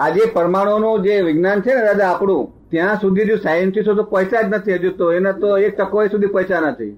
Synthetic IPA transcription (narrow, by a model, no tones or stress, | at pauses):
ad͡ʒepəɾmaɽ̃onũd͡ʒeʋɪɡnant͡ʃʰeneɾad͡ʒaːkɽũ | t̪jãsud̪ʱid͡ʒũsajənsisot̪opəjsad͡ʒnət̪ʰiɦəd͡ʒut̪oenat̪oek̚t̪əkoisud̪ʱipəjsanət̪ʰḭ